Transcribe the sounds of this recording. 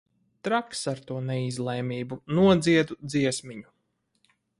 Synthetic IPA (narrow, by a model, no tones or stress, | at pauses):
t̪ɾaksaɾt̪uɔnɛizlˠɛːmʲiːbunuɔd̪ziɛd̪ud̪ziɛsmiɲu